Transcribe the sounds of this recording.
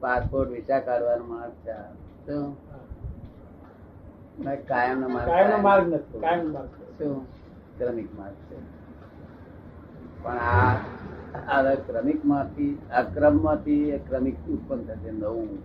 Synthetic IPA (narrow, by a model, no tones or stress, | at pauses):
paspoɾʈʋit͡ʃakəɾʋanmãt͡ʃʰato | mẽkajəmnamaɾajnamaɾɡnət̪ʰõajnmaɾɡso | kɾəmikmãɡt͡ʃʰe | pəɳa | ʋəɾkɾəmikmãt̪ʰiakɾəmːãt̪ʰiekɾəmik̚ut̪̚pənt̪ʰət̪end̪əũ